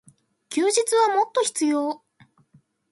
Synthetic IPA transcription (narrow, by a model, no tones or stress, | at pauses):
kʲɯːʑit͡sɨβamo̞t̪ːo̞çi̥t͡sɨjo̞ː